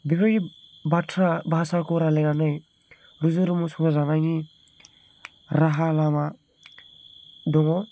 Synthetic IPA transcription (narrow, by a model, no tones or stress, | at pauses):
bibʰaɡibatʰɾabaasakɔɾalenanɯj | ɾuzɯɾɯmusɔŋazanaŋi | ɾaɦalama | dɔŋɔ